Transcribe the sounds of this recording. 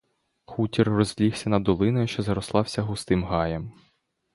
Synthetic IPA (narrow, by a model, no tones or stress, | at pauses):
xutʲirːɔzʲlʲiwsʲɐnɐd̪ɔlˠɪnɔjʊʃt͡ʃɔzɐɾɔslˠɑwsʲɐɦʊst̪ɪmɦɑjɛm